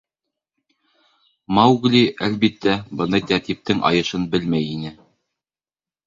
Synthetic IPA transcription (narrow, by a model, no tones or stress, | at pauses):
mɑwɡlʲiʔælbit̪ːæbɤ̆nɤt̪æɾt̪ip̚t̪ɘŋʔɑ̰jɤ̆ʃɤnbɘlmæjinɘ